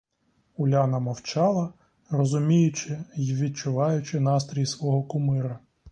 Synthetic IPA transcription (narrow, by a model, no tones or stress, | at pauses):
ʊlʲɑnɐmɔwt͡ʃɑlˠɐ | rɔzʊmʲijʊt͡ʃɪʋʲid̪̚t͡ʃʊʋɑjʊt͡ʃɪn̪ɑst̪ɾʲijsʋɔɦɔkʊmɪɾɐ